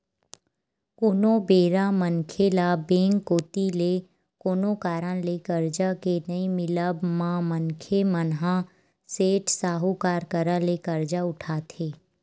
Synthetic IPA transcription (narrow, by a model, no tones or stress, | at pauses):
koːnobeːɾamənkʰelabẽːŋkːoːt̪ile | koːnokaːɾə̃lekəɾd͡ʒakenɐimɪləbmãmənkʰemənɦã | seːʈsaːɦukaːɾkəɾə̃lekəɾd͡ʒaʊʈʰaːt̪ʰeː